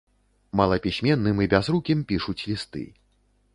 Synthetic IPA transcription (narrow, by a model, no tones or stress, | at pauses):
mɐlˠɐpʲisʲmʲɛnːɨmibʲazɾukʲimpʲiʂut͡sʲlʲist̪ɨ̰